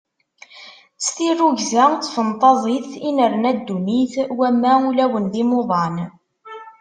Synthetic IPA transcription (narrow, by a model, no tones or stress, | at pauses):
t͡sθirːuʝzæt͡sːfənt̪ˤɑzˤiθinəɾnæd̪ːuniθwæmːæulæwənðimoðˤɑn